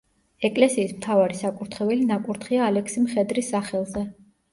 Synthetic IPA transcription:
ɛkʼlɛsiːsmt̪ʰavaɾisakʼuɾt̪ʰχɛvɛlinakʼuɾt̪ʰχiaːlɛkʰsimχɛd̪ɾisːaχɛlˠzɛ

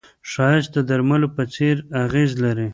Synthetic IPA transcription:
ʃɑjɪst̪̚d̪əd̪aɾmalopət͡seɾaɣezlaɾi

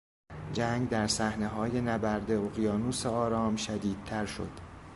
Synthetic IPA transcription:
d͡ʒæːŋɡd̪æɾsæhne̞ɦɒːje̞næbæɾd̪e̞oɣijɒːnuːseɒːɾɒːmʃæd̪iːd̪̥̚t̪ʰæɾʃo̰d̪̥

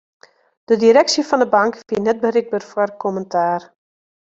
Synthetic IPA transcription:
d̥ədiɾɛksəfɔndəbɑŋkfiənɛt̚bərɪɡ̚bərfwərkʰɔməntʰaːr

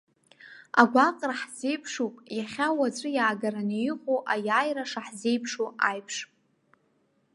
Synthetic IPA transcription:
a̰ɡʷaqʼraħz̥e̞jpʰʂupʼjaχʲawat͡sʷʼɨjaːɡaɾanijiχoʔajaːjraʂaħze̞jpʰʂoajpʰʂʼ

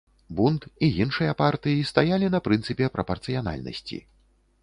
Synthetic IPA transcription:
bunt̪ijinʂɨjɐpart̪ɨjist̪ajalʲinɐpɾɨnsɨpʲɛpɾɐpɐrt̪sɨjana̰lʲnɐ̰sʲt͡sʲḭ

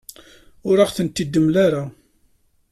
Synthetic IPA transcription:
ʊɾaʁθənt̪ːid̪ːəmlaɾa

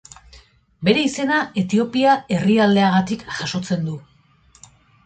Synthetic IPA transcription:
be̞ɾe̞ise̞nae̞t̪io̞piae̞riald̪e̞aɣ̞at̪ikʝaʃo̞t͡se̞nd̪u

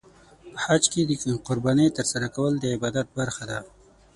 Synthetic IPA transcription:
pəhad͡ʒked̪əqʊɾbaːnit̪əɾsaɾakawəld̪əɪbaːd̪at̪̚baɾxad̪a

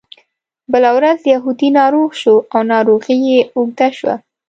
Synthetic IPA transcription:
bəlawɾazjaɦud̪inɑɾoɣʃoawnɑɾoɣijeoɡ̚d̪aʃwa̰

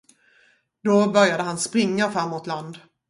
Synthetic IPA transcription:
d̪ɔbœɾjad̪əɦanspɾɪŋːafɾamːʊt̪land̪

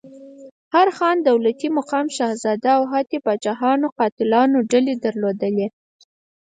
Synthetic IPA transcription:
haɾxɑnd̪awlat̪imaqɑmʃɑhzɑd̪aːwɦat̪ebɑt͡ʃɑɦɑnoqɑt̪ɪlɑnoɖaled̪aɾlod̪əle

